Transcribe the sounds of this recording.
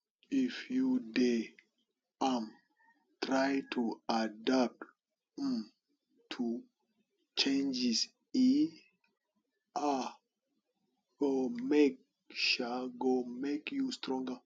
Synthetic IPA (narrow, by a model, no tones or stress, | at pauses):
ifjude | am | tɾajtʰuadap̚t | m | tʰu | t͡ʃẽnd͡ʒis | i | ʔa | omek̚ | ʃaɡomekjustɾɔ̃ŋɡa